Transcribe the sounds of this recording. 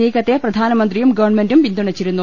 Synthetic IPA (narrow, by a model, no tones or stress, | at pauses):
iːkɐt̪ːeprɐd̪ʱaːnɐmɐnd̪rijumɡɐʋɐrɳme̞ndumʋind̪uɳɐt͡ɕːiɾunːu